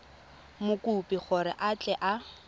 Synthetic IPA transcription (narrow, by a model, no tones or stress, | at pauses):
mʊkupiχʊɾɪ̰ʔat͡ɬʼɛʔa